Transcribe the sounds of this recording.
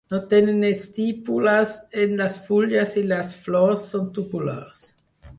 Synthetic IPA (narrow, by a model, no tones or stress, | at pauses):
not̪enenest̪ipulasenlasfuljaselasflosːont̪upula̰s